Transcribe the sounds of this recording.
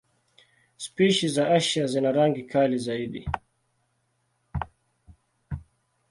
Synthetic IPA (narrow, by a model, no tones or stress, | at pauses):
spiʃizaaʃazinaɾaŋɡikalizaiɗḭ